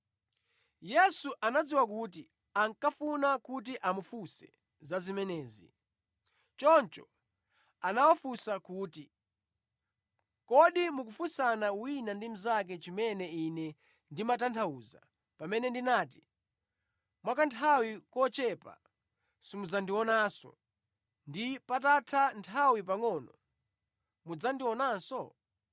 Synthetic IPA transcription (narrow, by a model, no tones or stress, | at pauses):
jɛsuʔanad͡ziwakut̬i | aŋkafunakut̬iʔamufusɛ | zazimɛnɛːzḭ | t͡ʃɔnt͡ʃɔ | anawɔfusakuːti | kɔɗimuk̬ufusanawinandim̩zak̬ɛt͡ʃimɛnɛinɛ | ndimatantʰauːza̰ | pamɛnɛndinaːt̬i | mwakantʰawikɔt͡ʃɛpa̰ | simud͡zandiwɔnaːsɔ̰ | ndipatatʰantʰawipaŋɔnɔ | mud͡zandiwɔnaːnsɔ